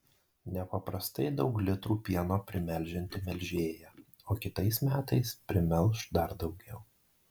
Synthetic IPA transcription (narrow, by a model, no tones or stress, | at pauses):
nʲɛpɐpɾɐst̪ɐɪd̪ɒʊklʲɪt̪ɾuːpʲiɛnoːpʲɾʲɪmʲɛlʲˑʒʲɛnʲt̪ʲɪmʲɛlʲʒʲeːjɛ | oːkʲɪt̪ɐɪsmʲæːt̪ɐɪspʲɾʲɪmʲɛlˠˑʃd̪ɐɾd̪ɒʊɡʲɛʊ